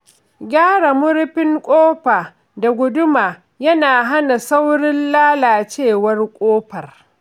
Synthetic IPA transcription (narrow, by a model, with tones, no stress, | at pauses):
ɡʲaː˦ɽa˨mʊ˦ɾɸɪ˦ŋkʷʼoː˦ɸaː˨ | da˨ɡʷʊ˦dʊ˦maː˨ | jɐ˦naː˨ɦa˦na˨sa˦wɽɪ˦nlaː˦laː˨t͡ʃeː˦˨wɐ˦rkʷʼoː˦ɸɐ˨r